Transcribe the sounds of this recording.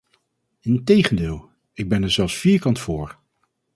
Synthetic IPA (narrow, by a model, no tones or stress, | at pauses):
ɪntejχəndɪːlˠ | ɪɡ̚bɛnɛɹzɛlˠfsfiːɹkɑntfʊːɹ